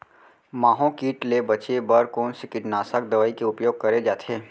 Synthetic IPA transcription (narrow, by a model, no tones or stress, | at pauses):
maːɦõkiːʈlebɐt͡ʃebəɾkoːnsɪkɪʈnaːsək̚d̪ɐʋaːikeʊpjoːɡ̚kɐɾed͡ʒaːt̪ʰeː